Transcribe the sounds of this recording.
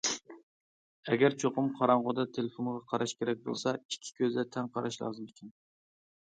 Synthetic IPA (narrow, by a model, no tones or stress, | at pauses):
ɛɡʲæɾt͡ʃʰoqʊmqʰɑɾɑɴʁod̪ɑt̪ʰelefonʁɑqʰɑɾɑʃkʲeɾɛk̚ʲbo̰lˠsɑikʲʰːi̥kʲøzd̪ɛt̪ʰɛŋqʰɑɾʔɑʃlˠɑ̰ːzɨmɪkʲʰin